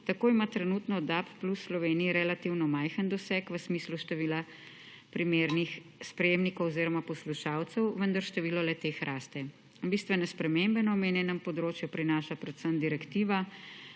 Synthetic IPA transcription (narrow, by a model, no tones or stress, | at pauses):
t̪akoːimat̪ɾɛnut̪nɔd̪applusːlɔʋeːniiɾɛlat̪iwnɔmajxənd̪ɔsɛkʋəsmiːsluʃt̪ɛʋiːla | pɾimeːɾnixspɾɛjeːmnikɔwɔziːɾɔmapɔsluʃaːwt̪sɛwʋənd̪aɾʃt̪ɛʋiːlɔlɛt̪eːxɾʔaːst̪ɛ | bist̪ʋɛnɛspɾɛmembɛnɔɔmeːnjɛnɛmpɔd̪ɾoːt͡ʃjupɾinaːʃapɾɛt̪səmd̪iɾɛkt̪iːʋa